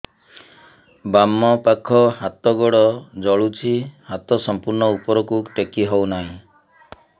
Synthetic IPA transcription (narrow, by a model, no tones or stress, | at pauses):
bamːɔpakʰɔɦat̪ɔɡɔɽɔd͡ʒɔɭut͡ʃʰihat̪ɔsɔmpuɾɳɔupɔɾɔkuʈekiɦɔwnaɦĩ